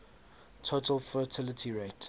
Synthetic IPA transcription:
tʰotʰəlfətʰɪlətʰiɹet

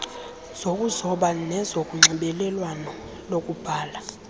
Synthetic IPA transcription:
z̥okʼuzɔɓanɛzokʼuŋ͡ǀʱiɓɛlɛlwanɔ | lokʼub̥ʱaːla

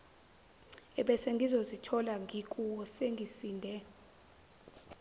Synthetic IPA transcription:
ɛɓɛseŋɡʱizozitʰɔlaŋʱikʼuwɔseŋɡʱisiːndʱɛ

